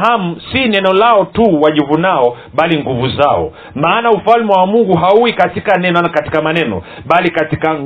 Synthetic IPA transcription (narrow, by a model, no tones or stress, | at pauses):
ɦam̩sinɛnɔlaɔtuwaʄuvunaɔ | ɓaliŋɡuvuzaɔ̰ | maːnaufalmɛwamuŋɡuɦauikatikanɛnɔakati̥kamanɛnɔ̰ | ɓalikatikaŋ